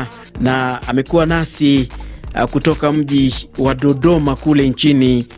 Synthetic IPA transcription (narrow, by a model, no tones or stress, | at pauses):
naa̰mɛkuwanasi | kutɔkam̩ʄiwaɗɔɗɔmakulɛɲt͡ʃini